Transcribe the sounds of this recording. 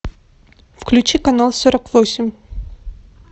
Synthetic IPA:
fklʲʉt͡ɕikɐnalˠsoɾəkvosʲɪmʲ

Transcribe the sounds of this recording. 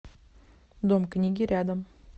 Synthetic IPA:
d̪omknʲiɡʲɪɾʲad̪əm

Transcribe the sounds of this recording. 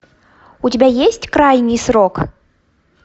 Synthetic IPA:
utʲabʲajesʲt͡sʲkɾajnʲɨsrɔk

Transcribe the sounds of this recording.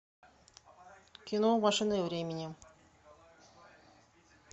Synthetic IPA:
kʲinomɑʂɨnɨvɾʲemʲɪnʲɪ

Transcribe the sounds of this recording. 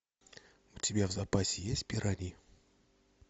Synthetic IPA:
utibʲjavzapasijesʲpʲiɾani

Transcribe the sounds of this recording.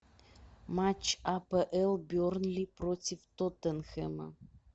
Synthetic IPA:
mat͡ɕapəʔelˠbʲornlʲiprotʲift̪ot̪ənxemə̰

